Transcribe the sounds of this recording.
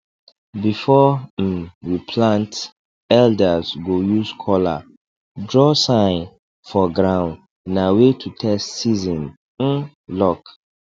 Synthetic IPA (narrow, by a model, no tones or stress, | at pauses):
bifɔn̩wipʰlãnt | ɛldazɡojuskʰɔla̰ | dɹɔsãɪ̃n | fɔɡɹãʊ̃nd | nawetʰutʰɛstsizɔ̃n | n̩ | lɔk